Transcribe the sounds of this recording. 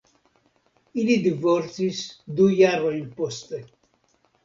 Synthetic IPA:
ilid̪ivoɾsisd̪ujaroimpɔst̪e

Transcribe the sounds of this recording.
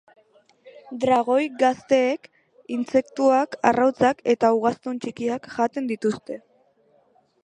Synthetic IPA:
d̪ɾaɣ̞o̞jɡast̪e̞ːk | int͡se̞kt̪uaka̰rawt͡sake̞t̪auɣast̪unt͡ʃikiakʝat̪e̞nd̪it̪ust̪e̞

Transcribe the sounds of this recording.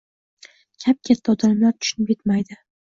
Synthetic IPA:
kʲʰap̚kʲʰat̪ʰːaɒd̪amlaɾt̪ʰʊ̥ʃʊnɪpjʲet̪majd̪ɪ

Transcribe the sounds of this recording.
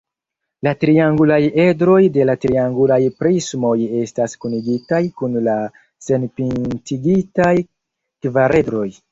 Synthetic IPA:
latɾiaŋɡulaje̞dɾo̞jde̞latɾiaŋɡulajpɾismo̞je̞staskuniɡitajkunla | se̞npintiɡitaj | kvaɾe̞dɾo̞j

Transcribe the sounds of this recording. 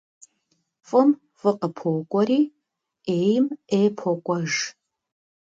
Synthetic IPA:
fʼɨm | fɨqʼəpʰoːkʷʼɔriː | eːjmeːpʰokʷʼɔʒ

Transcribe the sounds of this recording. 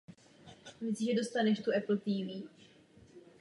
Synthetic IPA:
vɛt͡sʒɛdo̞st̪anɛʃt̪uɛpl̩t̪iːviː

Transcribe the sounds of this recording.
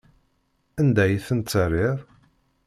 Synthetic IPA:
ænd̪æjθənt̪t͡sːərˤɪɾˤ

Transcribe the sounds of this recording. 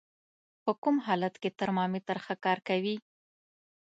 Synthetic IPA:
pəkumɦɑlat̪ket̪aɾmɑmit̪aɾxakɑɾkawi

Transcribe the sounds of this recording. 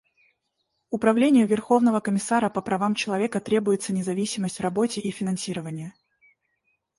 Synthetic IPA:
ʊpɾɐvlʲenʲɪjʊvʲɪrxo̞vnəvəkəmʲɪsaɾəpəpɾɐvamt͡ɕɪlˠɐvʲe̞kət̪ɾʲe̞bʊjɪt̪sənʲɪzɐvʲisʲɪməsʲtʲrɐbo̞tʲɪʔifʲɪnɐnsʲiɾəvənʲɪjə

